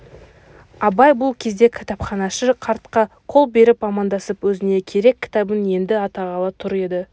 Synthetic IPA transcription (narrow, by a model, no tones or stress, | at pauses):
ɑbɑjbʊlˠkʲʰe̞zd̪e̞kʲʰɪ̥t̪ɑpχɑnɑʃəqʰɑɾt̪qɑ | qʰo̞lˠbe̞ɾɪpɑmɑnd̪ɑsəpwɵzɪne̞kʲʰe̞ɾe̞kʲːɪ̥t̪ɑbəne̞nd̪ɪɑt̪ɑʁɑlˠət̪ʰʊɾe̞d̪ɪ